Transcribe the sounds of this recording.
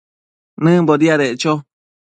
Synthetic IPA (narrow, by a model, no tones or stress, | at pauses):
nɨ̃boɾiaɾet͡ʃo